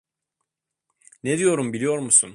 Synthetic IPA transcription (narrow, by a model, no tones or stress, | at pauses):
ned̪ijo̞ɾumbilʲijo̞ɾmusun